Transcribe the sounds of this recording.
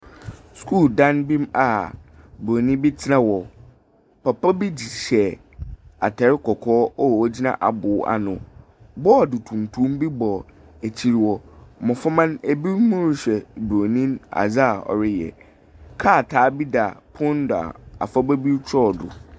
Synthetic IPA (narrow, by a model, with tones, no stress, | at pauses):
skʰu˦˨ldã˦nbĩ˦ma˨ | bɾo˨nĩ˦bi˦tʰɪ˦nã˨wɔ˨ | pa˨pa˦bi˦d͡ʑi˨ɕɛ˨ | a̰˨tʰɛ˨ɾɪ˦kʰɔ˨kʰɔː˦ɔ˦˨wɔ˦d͡ʑi˦nã̰˦ʔa˨bʊ˨˦a̰˨nʊ̃˨ | bɔ˦˨dʊ˨tʰũ˨m˨tʰũ˦m˦bi˦bɔ˨ | æ˨t͡ɕʰi˨ɾi˨wɔ˨mɔ̃˨fa˦mã˦næ˨bi˦ɾmʊ̃˦ɾɪ˦ɕᶣɛ˨bɾo˨nĩ˦ma̰˨d͡za˦˨ɔ̰˨ɾɪ˦jɛ̰˨ | kʰa˦˨tʰaː˨˦bi˦da˨pʰʊ̃˦n˦dʊ˨a̰˨a̰˨fa˦bæ˦bi˦ɾt͡ɕʰɔ˦˨dʊ̰˨